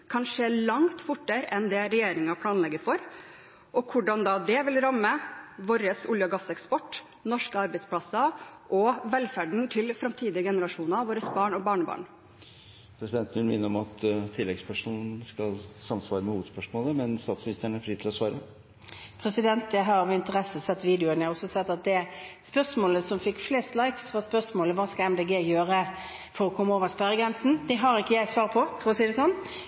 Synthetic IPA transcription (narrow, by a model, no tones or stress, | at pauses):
kʰɑnʂeːɭɑŋt̪fʊʈːəɾʔɛnd̪ɛɾɛjeːɾɪŋɑpʰlɑːnlɛɡːəɾfɔɾ | ʔɔkʰʊɖɑnd̪ɑːd̪ɛʋɪlɾɑmːəʋoːɾəsʊljəɡɑsɛkspɔʈː | nɔʂkəɑɾbæɪspʰlɑsɑʔɔʋɛlfæɖɳ̩t̪ʰɪlfɾɑmt̪ʰiːd̪ɪəɡɛnəɾɑʂuːnɑʋoːɾəsbɑːɳɔbɑːɳəbɑ̰ːɳ | pʰɾɛsɪd̪ɛnt̪n̩ʋɪlmɪnːəɾɔmɑt̪ʰt̪ʰːɪlːɛɡspʰæʂuːnn̩skɑlsɑmsʋɑːɾəmɛhuːʋəd̪spœʂmoːləmɛnst̪ɑːt̪smɪnɪst̪əɳæɾfɾiːt̪ʰɪlɔsʋɑːɾə | pʰɾɛsɪd̪ɛnt̪jæɪɦɑɾɔʋɪnt̪əʁɛsəsɛt̪ːʋiːd̪ɪʊənjɛɑɾɔsɔsɛt̪ːɑt̪̚d̪ɛæspœʂmoːləsɔmfɪkːfleːst̪lɑɪksʋɑspœʂmoːləʋɑːskɑɛmd̪eːɡeːjøːɾə | fɔɾɔkʰɔmːəoːʋəspæɾəɡɾɛnsn̩d̪ɛɦɑɾɪkːəjæɪsʋɑːʁpʰɔfɔɾɔsiːd̪ɛsɔnː